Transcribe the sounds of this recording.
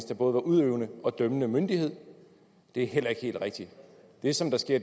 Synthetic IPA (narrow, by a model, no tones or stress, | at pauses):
sd̥ɑb̥ɔ̽ːð̞̩ˠʋɑ̈ʔuð̞ˠøːʊnəɒ̽d̥œmənəmønd̥ihe̝ð̞̰ˠ | d̥e̝æɐɦel̰ɐe̝ɡ̥he̝̰ːld̥ʁeɡ̥̚d̥i | d̥e̝sɒ̽md̥ɑ̈sɡ̥e̝ɐ̰